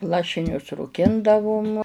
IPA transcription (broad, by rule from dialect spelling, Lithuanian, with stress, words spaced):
ˈlˠɑːʃʲɪnʲʊs ruːˈkʲɪndɐʋʊm